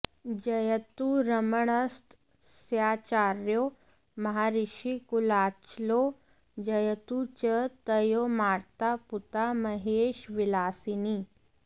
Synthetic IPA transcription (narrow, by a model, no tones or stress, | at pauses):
d͡ʑəjət̪uɾəməɳəst̪ | sjat͡ɕaɾjo | mɐɦaɾiɕikulat͡ʃlo | d͡ʑəjət̪ut͡ɕət̪əjomaɾt̪aput̪aməɦeʃʋilaːsiniː